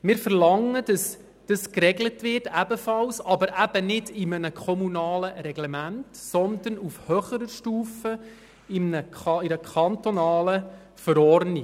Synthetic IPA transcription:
mɪːɾfəɾlɑŋːədəs | d̥ɑskɾɛɡlətʋɪrtæbəfɑlsɑbəɾʔæbənɪdɪmənəkʰɔmunɑːləɾɛɡlɛmæntsɔnd̪ənufhœχəɾəʃtuːfə | ɪmnəɪɾəkʰɑnt̪ɔnɑːlə | fəɾɔrni

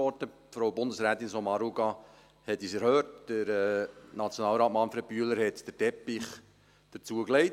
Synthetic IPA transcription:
ɔɾtə | fɾowbʊndəsɾæːt̪insɔmɑɾuɡɑ | hɛtisɛɾhøːtd̥əɾɛːnɑt͡sjonɑːlɾɑːtmɑnfɾɛt̚pyələɾhɛtd̥ətɛpɪχ | d̥əɾt͡suəklɛɪ

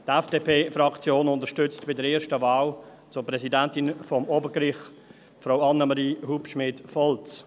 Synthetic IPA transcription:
tɛfd̥eːpʰeːfrɑkt͡sjoːnʊntəɾʃtʏt͡stb̥ɪdəɾɛːʃtəvaːl | t͡sʊpɾɛsidɛntɪnfɔmoːbəkɾɪχ | fɾaʊɑnːəmɑɾiːhupʃmɪːtfɔlt͡s

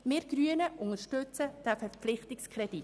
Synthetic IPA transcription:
mɪːɾɡ̥ɾyənəʔʊŋəɾʃtɵt͡səd̥æfɛɾpflɪχtɪkskχɾɛd̥i

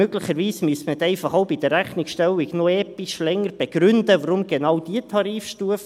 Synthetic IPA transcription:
øɡ̥ləχəɾʋiːsmyəsməɛtɛɪfɑχowbid̥̪əɾːæχnɪkʃtɛwɪɡnoɛːpiʃlɛŋəɾb̥eɡ̥ɾʏnd̪əvəɾʊmɡenɑwd̥iətʰɑɾiːfʃtuəf

